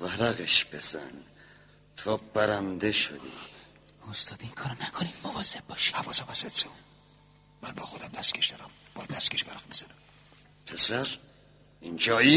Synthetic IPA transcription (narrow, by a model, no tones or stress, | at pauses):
væɾæɣeʃb̥ez̥æ̰n | t̪ʰob̥æɾænd̪eʃo̰d̪ḭ | ost̪ɒːd̪iiŋkʰɒːɾonækʰonid̪movɒːzeb̚bɒːʃi̥hævɒːsæmæset̪se | mænbɒːxod̪æmd̪æst̪kʲʰeʃd̪ɒɾæmbɒːjæd̪ːæst̪kʰeʃvæɾæqmiz̥ænæm | pʰesæɾ | ind͡ʒɒːi